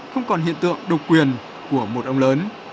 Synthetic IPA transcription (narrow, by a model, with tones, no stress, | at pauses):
xə˧wŋ͡mkɔ˨˩nɦḭ˧˨ənt̪ɨ̰˧˨əŋɗə˨˩w̚kwi˨˩ən | ku˧˩əmo˨˩t̚ʔə˧wŋ͡mləː˨˦n